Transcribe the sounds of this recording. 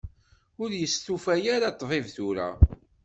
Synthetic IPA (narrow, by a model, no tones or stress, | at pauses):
ʊɾjəst̪ufæjaɾat̪ˤːvɪvθuɾa̰